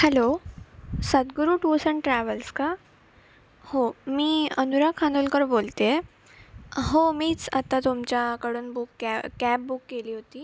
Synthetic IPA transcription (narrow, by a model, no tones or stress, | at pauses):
hɛlo | sət̪ɡuɾuːʈusəɳʈɾæʋəlska | homiːənuɾakʰanolkəɾbolt̪e | ɦomiːt͡sə̰t̪at̪omt͡ɕjakəɽuːnbukːæp̚bukːeliːɦot̪iː